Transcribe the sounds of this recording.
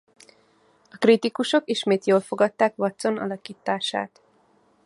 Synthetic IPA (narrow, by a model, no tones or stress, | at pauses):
ɒkrit̪ikuʃo̞kiʃmeːt̪joːlfo̞ɡɒt̪ːaːkʋɒt̪so̞nɒ̰lɒkiːt̪ːaːʃa̰ːt̪